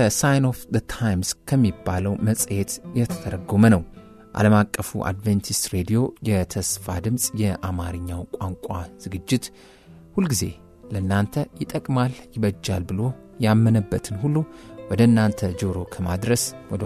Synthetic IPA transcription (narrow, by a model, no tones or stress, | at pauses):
əsajnofðət̪ʰajmskʰəmːibːaləwməsʼjet̪jɛt̪ʰə̥t̪ʰəɾəɡo̞mənəw | ʔa̰ləmakʼːəfṵʔa̰d̪vent̪ʰist̪ɾe̞d̪ijo̞jɛt̪ʰəsfa̰d̪ɨmsʼjɛʔamaɾɨɲːawkʷʼaŋkʷʼaz̥ɨɡɨd͡ʒːɪt̪ | hulɡize̞̰ | ləɨnːant̪ʰəjɪt̪ʼəkʼmaljɪβəd͡ʒːalbɨlo̞ | jamːənəbːət̪ʰɨnhulːuwɔd̪əɨnːant̪ʰəd͡ʒoɾo̞kʰəma̰d̪ɾəswɔ